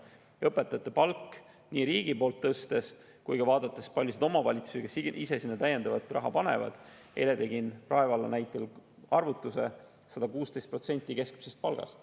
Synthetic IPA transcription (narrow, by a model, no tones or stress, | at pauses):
ɤpːˑe̞t̪ːˑɑt̪ːˑepɑlkː | niːɾiːɡ̥ipo̞ːlt̪ːɤst̪e̞s | kujkɑvɑːd̪̥ɑt̪ːˑespɑlʲjused̪omɑvɑlʲit̪su̥sikesiʔise̞sinːɑt̪æje̞nd̪ɑvɑt̪rʔɑ̰ɦɑpɑnḛvɑ̰d̪̥ | ʔe̞le̞t̪e̞ɡinrɑevɑlɑnæjt̪ːˑelɑrvut̪ːˑuse̞ | sɑd̪̥ɑkuːst̪e̞jst̪̚pro̞t̪senʲt̪ʲːˑike̞skmisest̪̚pɑlɡ̥ɑ̰st̪